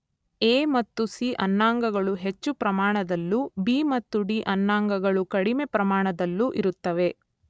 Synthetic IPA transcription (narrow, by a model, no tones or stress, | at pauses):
eːmɐt̪ːusiːʔɐnːaːŋɡɐɡɐɭuɦe̞t͡ʃːupɾɐmaːɳɐd̪ɐlːubiːmɐt̪ːuɖiːʔɐnːaːŋɡɐɡɐɭukɐɽime̞pɾɐmaːɳɐd̪ɐlːuʔiɾut̪ːɐʋe̞